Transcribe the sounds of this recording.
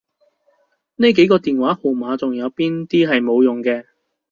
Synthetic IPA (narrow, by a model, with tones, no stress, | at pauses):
ne˥jke˨˥jkɔː˧t̪iː˨nwaː˨˥hu˨˩maː˨˧t͡sʊ˨ŋjɐ˨˧wpiː˥nt̪iː˥ɦɐ˨jmo˨˧wjʊ˨˩ŋkɛː˧